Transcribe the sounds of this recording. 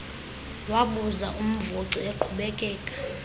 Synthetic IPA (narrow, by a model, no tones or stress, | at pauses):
waɓuzaʔum̩voǀieǃʰuɓɛkʼɛːkʼḁ